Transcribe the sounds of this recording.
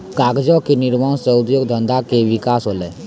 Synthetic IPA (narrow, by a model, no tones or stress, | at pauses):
kaːɡd͡ʒɔkenɪɾmaːnsəʊd̪joːɡ̚d̪ʱə̃nd̪ʱakeʋɪkaːsɦoːleː